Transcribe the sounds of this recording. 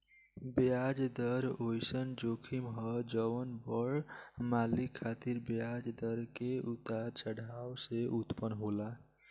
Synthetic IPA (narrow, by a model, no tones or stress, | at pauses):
bead͡ʒd̪əɾojsənd͡ʒokʰimɦʌd͡ʒəwənbəɽmalikʰːat̪iɾbjad͡ʒd̪əɾkeut̪aɾt͡ʃəɽʱawseʔut̪pənɦola